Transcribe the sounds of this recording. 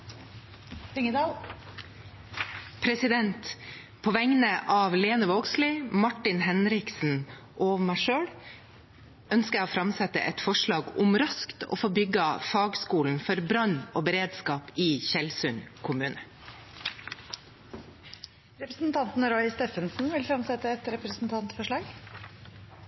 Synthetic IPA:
ɪŋəd̪ɑ | pʰɾɛsɪd̪ɛnt̪ | pʰoːʋɛŋnəʔɑːʋleːnəʋoːɡsliːmɑʈɪnhɛnɾɪksn̩ | ʔoːʋmæɪʃøːɽ | œnskəæoːfɾɑmsɛt̪ə̰ʔɛt̪fɔʂɭɑːɡʊmɾɑskt̪o̰ːfoːbʏɡɑfɑːɡskuːln̩fɔɾbɾɑnoːbəɾeːd̪skɑːpɪːçɛlsʉnkʰʊmʉːnə | ɾɛpɾəsn̩t̪ʰɑnt̪n̩ɾɔʏst̪eːfənsn̩ʋɪlfɾɑmsɛt̪ːəɛt̪ɾɛpɾəsn̩t̪ʰɑnt̪fɔʂɭɑːɡ

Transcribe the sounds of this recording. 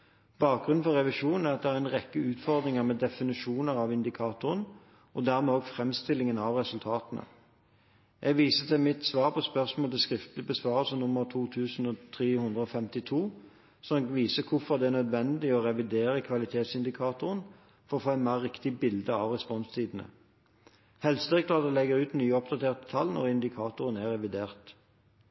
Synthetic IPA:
b̥ɑːk̚ɡʁʉnn̩fɔʁɛʋɪʂuːnn̩æʁɑt̪̚d̪ɛæɾæɪnʁɛkːəʉːt̪fɔʁd̪ɾɪŋəʁmɛːd̪ɛfɪnɪʂuːnəʁɑʋɪnd̪ɪkʰɑːt̪ʊɾən | ɔd̪æʁmɛːoːɡfʁɛmst̪ɪlɪŋənɑʋʁɛsʉlt̪ʰɑːt̪ənə̰ | ʔɛɡʋiːsət̪ʰɪlmɪt̪sʋɑːʁpʰɔspœʁsmoːlt̪ɪskʁɪft̪lɪbəsʋɑːʁəsənʊmːəʁt̪ʰuːt̪ʰʉːsn̩ɔt̪ʰʁeːhʉnd̪ʁəɔfɛmt̪ɪt̪ʰuː | sɔmɡʋiːsəkʰʊfɔʁd̪ɛæʁnœd̪ʋɛnd̪ɪɔʁɛʋɪd̪eːɾəkʰʋɑlɪt̪ʰeːt̪sɪnd̪ɪkʰɑːt̪ʊʁən | fɔʁɔfoːæɪnmæʁɪkt̪ɪbɪld̪əɑːʋʁɛspɔnst̪ʰiːd̪ən̩ə̰ | hɛlst̪ʁɪkt̪lɑd̪əlɛɡəʁʉːt̪nyːɔp̚d̪ɑt̪ʰeːʁt̪ət̪ʰɑlnɔ̰ʁɪnd̪ɪkʰɑːt̪ʊʁənæʁɛʋɪd̪eːʁt̪

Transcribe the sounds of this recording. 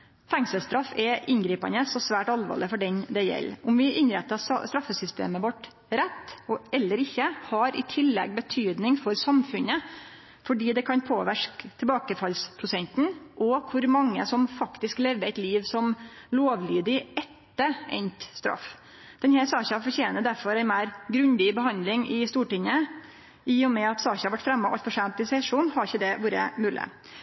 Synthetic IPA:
fɛŋsəlst̪ɾɑfːɛʔɪnɡɾiːpɑ̰nəsɔsʋæːʈɑlʋɑ̰ːlɪfɔɖɛnd̪ɛjɛ̰lːʊmʋɪʔɪnɾɛt̪ːɑsst̪ɾɑfːəsʏst̪ḛːməʋɔʈ | ɾɛt̪ːɔɛlːəɾɪçːəhɑɾɪ̰t̪ʰɪlːɛ̰ɡbət̪ʰyːd̪nɪŋfɔɾsɑmfʉnə | fɔɖiːd̪ɛkʰɑnpʰoːʋæʂkt̪ʰɛbɑːkəfɑlspʰɾʊsɛnt̪n̩ʔɔkʰʊɾmɑŋːə̰sɔmfɑkt̪ɪskleːʋəæɪt̪liːʋsɔmloːʋlyːd̪ɪʔɛt̪ːəɛ̰nt̪st̪ɾɑ̰f | d̪̥ɛnhæɾsɑːçɑfɔɾçeːnəd̪æɾfɔɾæɛɪnmæːɾɡɾʉnd̪ɪbəɦɑnd̪lɪŋɪst̪uːʈɪŋːə | ʔɪjʊmɛɑt̪sɑːçɑhɑɾʋæʈːfɾɛmːɑɑ̰lt̪fɔʂæːnt̪ɪsɛʂuːnhɑɾɪçːəd̪ɛʋuːɾə̰mʉːlʔɪ̰

